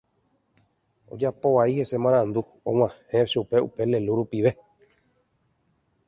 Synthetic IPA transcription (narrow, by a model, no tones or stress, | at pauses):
o̰d͡ʒapo̞ʋaihe̞se̞mãɾ̃ãnd̪u | õ̰w̃ãhẽʃupe̞ṵpe̞le̞luɾupiʋe̞